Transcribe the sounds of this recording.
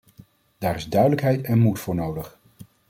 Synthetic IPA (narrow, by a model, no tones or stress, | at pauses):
d̥aːɾɪzdœɥdələkɦɛjtɛnmutfʊːɹnowdəχ